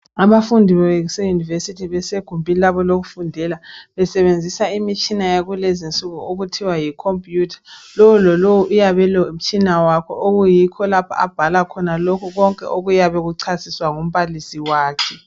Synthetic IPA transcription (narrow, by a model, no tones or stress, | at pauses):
aβafundʱiβɛeɣusejunivesitʰiβɛseɡ̥ʱumbʱilaβɔloɣufundʱɛlaβɛsɛβend͡zʱisaimit͡ʃʼinajaɣulezint͡sʼuɣuoɣutʰiwajikʰompʼjuːtʰḁlowulɔlowuʔujaβɛlɔm̩t͡ʃʼinawakʰɔ̰ʔoɣujikʰɔlapʰa̰a̰b̥ʱalakʰɔnalokʰuɣɔŋkʼɛ̰ʔoɣujaβɛɣuǀʰasiswaŋum̩βalisiwaːkʰɛ